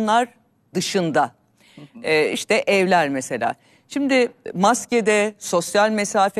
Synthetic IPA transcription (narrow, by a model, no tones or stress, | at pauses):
nlˠaɾ | d̪ɯʃɯnd̪aː | ḭʃt̪ɛʔɛvlʲæɾmese̞lʲa̰ː | ʃimd̪ɪmasced̪ɛso̞sjalʲmesaːf